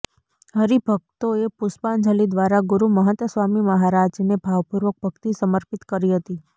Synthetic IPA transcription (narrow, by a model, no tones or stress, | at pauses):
ɦəɾibʱəɡ̚t̪oepʊspand͡ʒʱəlid̪ʋaɾaɡuɾuməɦət̪ʋəsʋamiməɦaɾad͡ʒnebʱaʋpuɾʋək̚bʱəɡt̪isəməɾpit̪kəɾiɦət̪i